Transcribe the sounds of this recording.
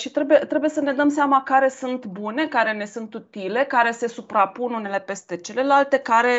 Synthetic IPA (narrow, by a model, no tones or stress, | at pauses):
ʃit̪ɾebujet̪ɾe̞bujesəne̞d̪əmseamakaɾe̞sunt̪bune̞kaɾe̞ne̞sunt̪ut̪ile̞kaɾe̞se̞supɾapunune̞le̞pe̞st̪e̞t͡ʃe̞le̞lalt̪e̞kaɾe̞